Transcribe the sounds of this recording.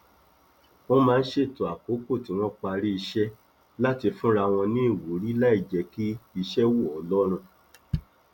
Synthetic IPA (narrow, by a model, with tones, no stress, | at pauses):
w̃ɔ̃˦mãː˦˧n̩˦ʃe˦˨to˨a˨ko˨˦ko˦˨tĩ˨˦w̃ɔ̃˦k͡pa˧ɾi˦i˧ʃɛ˦ | la˦ti˧fũ˦ɾa˧w̃ɔ̃˧nĩ˦i˦˨wu˨˦ɾi˦la˦i˦˨d͡ʒɛ˨˧ki˦i˧ʃɛ˦wo˦˨ɔ˨˦lɔ˦ɾ̃ũ˧